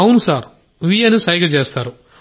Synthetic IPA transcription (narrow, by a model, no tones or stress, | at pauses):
ɐwnusaːɾ | ʋijɐnisɐjiɡɐt͡ʃe̞ːst̪aːɾu